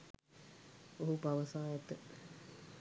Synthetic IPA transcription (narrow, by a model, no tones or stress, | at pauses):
oɦupaʋəsaːjat̪ə